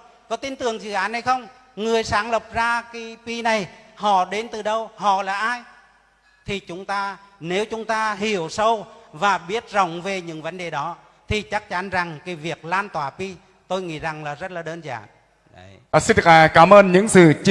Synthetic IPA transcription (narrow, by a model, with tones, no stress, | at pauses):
kɔ˨˦t̪i˧nt̪ɨ˨˩əŋzɨ̰˧˨ʔaː˨˦nha˨˩jxə˧wŋ͡m | ŋɨ˨˩əjsaː˨˦ŋlə˨˩p̚zaː˧ka˨˦pi˧na˨˩jhɔ̰˧˨ɗe˨˦nt̪ɨ˨˩ɗə˧whɔ̰˧˨laː˨˩ʔaː˧j | t̪ʰi˨˩t͡ɕʊ˨˦ŋ͡mt̪aː˧ne˨˦wt͡ɕʊ˨˦ŋ͡mt̪aː˧ɦi˧˩əwsə˧wvaː˨˩ɓi˦˥ət̚zə˧˩wŋ͡mve˨˩ɲɨ̰˧˥ŋvə˨˦nɗe˨˩ɗɔ˨˦ | t̪ʰi˨˩t͡ɕa˦˥k̚t͡ɕa˨˦nza˨˩ŋkaː˨˦jvi˨˩ək̚laː˧nt̪waː˧˩pi˧ | t̪o˧jŋḭ˧˥za˨˩ŋlaː˨˩zə˦˥t̚laː˨˩ɗəː˧nza̰ː˧˨nː˨˩ | si˧ndɨ˨˩aː˧˨˩kaː˨˦mʔəː˧nɲɨ̰˧˥ŋsɨ˨˩t͡ɕ